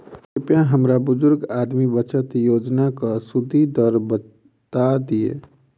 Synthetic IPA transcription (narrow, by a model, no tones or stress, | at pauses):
kɪpjãɦəmɾabʊd͡ʒʊɾɡaːd̪mibət͡ʃət̪joːd͡ʒnakasʊd̪ʱid̪əɾbə | t̪ad̪iḛː